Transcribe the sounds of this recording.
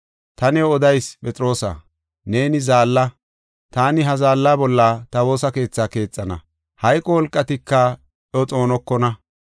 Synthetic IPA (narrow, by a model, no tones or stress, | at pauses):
t̪ɐnɛwɔd̪ɐjspʼɛt͡sʼɾo̞ːsɐ̰ | ne̞ːnɪzaːlːɐ | t̪aːnɪɦɐzaːlːaːbɔlːɐt̪ɐwo̞ːsɐke̞ːt͡sːaːke̞ːt͡sʼːɐnɐ̰ | hɐjkʼːɔwɔlkʼːɐt̪ɪkːɐ | ʔɔt͡sʼo̞ːnɔkːɔnɐ